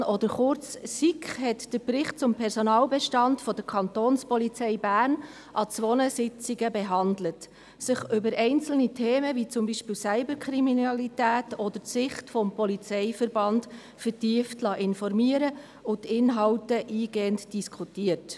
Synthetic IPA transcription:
ɔd̪əɾχʊɾt͡ssikχɦɛtd̥əɾbɾɪχt̚t͡sʊmpʰɛɾsɔnɑːlbɛʃtɑndfɔd̥əɾkʰɑnt̪oːnspɔlit͡sɛɪbæːrn | ʔɑt͡sʋɔnəsɪt͡siɡəbeɦɑndlət | sɪχʏbəɾɛɪnt͡sl̩nitʰeːməvit͡sʊmbiːʃpiːwsæɪbəɾkʰχɾiminɑlitæːtɔd̪ətsɪχtfɔmpɔlit͡sɛɪfəɾbɑnd | fəɾtiəftlɑʔɪnfɔɾmiəɾə | ʊtɪnɦɑwtəʔiːɡ̥eːəntd̥iskʰutiːət

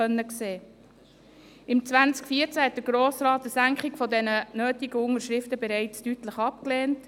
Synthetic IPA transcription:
œnːəkseː | ɪmt͡sʋænt͡skfiːəɾt͡sæhɛt̚d̥̪əɡ̥ɾoːsɾɑːtəsæŋkχɪɡfɔdɛnənøːtiɡ̥əʊŋəɾʃɾɪftəbɛɾɛɪt͡stytləχɑp̚kleːnt

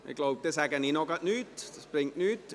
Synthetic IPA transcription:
nḛklowp̚t̪ːesæɡæninokɑt̪nyːt̪spriŋknyːt̪

